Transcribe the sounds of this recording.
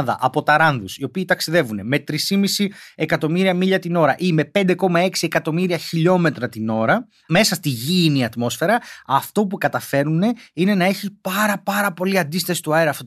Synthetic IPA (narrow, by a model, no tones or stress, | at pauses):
ðɐ̰ʔɐpo̞t̪ɐɾɐnðusio̞piːt̪ɐksiðe̞vune̞me̞t̪ɾisimisie̞kɐt̪o̞miɾiɐmiʎɐt̪ino̞ɾɐʔime̞pe̞nd̪e̞ko̞mɐe̞ksie̞kɐt̪o̞miɾiɐçiʎo̞me̞t̪ɾɐt̪ino̞ɾɐ | me̞sɐst̪iʝiniɐt̪mo̞sfe̞ɾɐɐft̪o̞pukɐt̪ɐfe̞ɾune̞ine̞nɐe̞çipɐɾɐpɐɾɐpo̞liɐnd̪ist̪ɐsi̥t̪uɐeɾɐft̪o